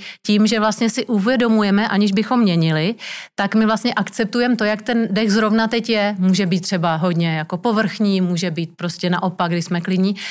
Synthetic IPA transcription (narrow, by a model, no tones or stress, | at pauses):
ciːmʒɛvlast̪ɲɛsɪʔuvjɛdo̞mujɛmɛʔaɲɪʒbɪxo̞mːɲɛɲɪlɪt̪akmɪvlast̪ɲɛʔakt͡sɛp̚t̪ujɛmt̪o̞jakt̪ɛndɛxzɾo̞vnat̪ɛcjɛmuːʒɛbiːt̪ːr̥ɛbaɦo̞dɲɛjako̞po̞vr̩xɲiːmuːʒɛbiːt̪̚pɾo̞scʲɛnaʔo̞paɡ̚ɡdɪsmɛklɪdɲiː